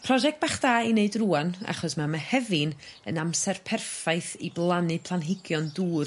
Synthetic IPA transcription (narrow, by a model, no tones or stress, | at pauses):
pʰrɔʒɛk̚t̚baχd̥aːineɨdruːana̰χɔsmamahɛvɪnə̰namsɛrpʰɛrfajθiblˠanɨpʰlˠanɦɪɡjɔnduːr